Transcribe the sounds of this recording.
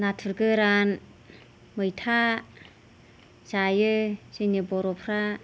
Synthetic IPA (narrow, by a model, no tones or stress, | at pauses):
natʰɯɾɡɯɾan | mɯjtʰa | sajɯsenɯbɔɾɔpʰɾa